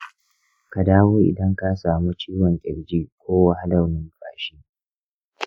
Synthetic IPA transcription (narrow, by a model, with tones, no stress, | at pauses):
ka˨daː˦wuː˦ʔɪ̰˨dɐ˦ŋka˦saː˨mu˦t͡ʃiː˦wɔ˨ŋkʲʼɪ˨ɾd͡ʒʲiː˦kʷoː˦wa˦ha˦dɐ˨wnɪ˦ŋkaː˨ʃiː˦